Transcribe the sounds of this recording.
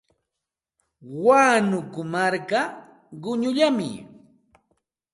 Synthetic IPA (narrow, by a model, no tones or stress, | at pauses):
waːnʊkʊmaɾka | ɢʊɲʊʎamɪ̰